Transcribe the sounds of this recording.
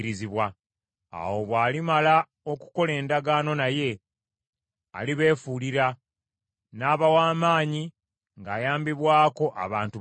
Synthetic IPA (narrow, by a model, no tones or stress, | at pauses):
ɾiziβwa | a̰wo̞βwaːlimala | o̞ku̥ko̞le̞ːndaɡaːno̞naje̞ | a̰liβe̞ːfuliɾa | naːβawaːmaːɲi | ŋɡaːjaːmbiβwaːko̞ʔa̰βaːntu